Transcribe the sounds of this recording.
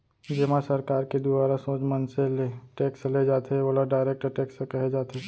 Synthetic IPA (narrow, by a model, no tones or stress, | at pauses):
d͡ʒɪmãsɐɾkaːɾked̪ʊbaːɾasõːt͡ʃmənseleʈeːksled͡ʒaːt̪ʰeoːlaɖaːɪɾeːk̚ʈəʈeːkskɐɦed͡ʒaːt̪eː